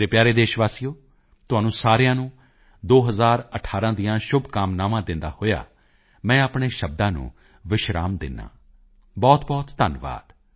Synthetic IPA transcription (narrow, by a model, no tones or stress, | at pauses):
ɾeːpjaːɾeːd̪eːʃʋaːsijoː | t̪ʊɦaːnũːsaːɾɪjãːnũː | d̪oːɦəzaːɾəʈʰaːɾãːd̪ɪjãːʃʊbʱkaːmnaːʋãːd̪ɪ̃nd̪a̰ːhoːja̰ː | mɛ̃ːəpɳeːʃəb̚d̪ãːnṵ̃ː | ʋɪʃɾa̰ːmd̪ɪ̰nːã̰ː | bɔːt̪bɔːt̪ːənʋa̰ːd̪̥